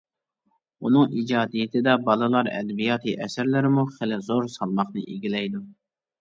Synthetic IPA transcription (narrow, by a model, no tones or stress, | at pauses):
unɨŋid͡ʒɑːd̪ijɪt̪ʰɪd̪ɛbɑlˠɨlˠɑɾɛ̰d̪ɛbijɑːt̪ʰɨʔɛsɪɾlɪɾɪmuχɪlɪzoɾsɑlˠmɑχnɨʔiɡʲilɛjd̪u